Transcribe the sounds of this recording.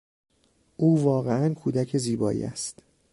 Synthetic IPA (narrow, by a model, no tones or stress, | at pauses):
ʔuːvɒːɣeænkʰuːd̪æcʰeziːbɒːʔḭːæ̰st̪